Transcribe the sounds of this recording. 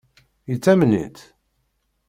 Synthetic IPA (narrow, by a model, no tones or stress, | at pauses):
jət͡sːæmnḭt̪